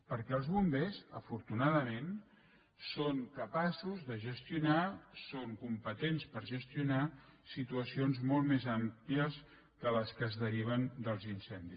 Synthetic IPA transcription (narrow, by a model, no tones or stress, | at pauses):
pəɾkɛəlˠzβumbezə̰fuɾt̪unaðəmen | soŋkəpasuzðəʒəst̪iunasoŋkumpət̪enspəɾʒəst̪iunasit̪uəsionzmolˠt̪mezampliəs | kələskəzðəɾiβ̞ənd̪əlˠzinsɛnd̪i